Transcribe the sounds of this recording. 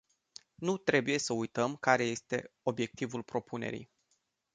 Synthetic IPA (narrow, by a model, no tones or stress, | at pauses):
nut̪ɾe̞buje̞səujt̪əmkaɾe̞je̞st̪e̞̰o̞bje̞k̚t̪ivulpɾo̞pʰune̞̰ɾḭj